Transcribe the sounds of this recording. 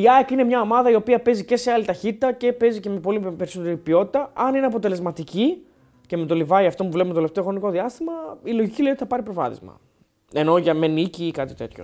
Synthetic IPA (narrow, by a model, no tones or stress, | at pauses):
iɐkine̞mɲɐo̞mɐðɐio̞piɐpe̞zice̞se̞ɐlit̪ɐçit̪it̪ɐce̞pe̞zice̞me̞po̞lipeɾiso̞t̪eɾipio̞t̪i̥t̪ɐɐnineɐpo̞t̪e̞lezmɐt̪ici | ce̞met̪o̞livɐiɐft̪o̞puvlepumetoeleft̪eoxɾoniko̞ðiɐst̪imɐilo̞ʝicileot̪θɐpɐɾipɾo̞vɐ̰θḭzmɐ̰ | e̞no̞ʝɐme̞niciːkɐt̪it̪e̞̰t̪ço̰